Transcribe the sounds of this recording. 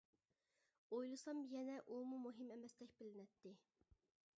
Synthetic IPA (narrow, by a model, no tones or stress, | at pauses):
ojlˠɨsɑmjɛnɛʔumumuɦimɛmɛsd̪ɛkʲbɪlɪnɛt̪ʰːɪ